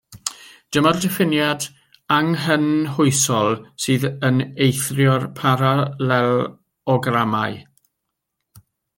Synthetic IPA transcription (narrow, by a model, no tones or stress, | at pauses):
d̥əmɔddɛfɪnjad | aŋɦənhʊɨsɔlˠsɨːðənejθrjɔrpʰaɾalɛl | ɔɡramaj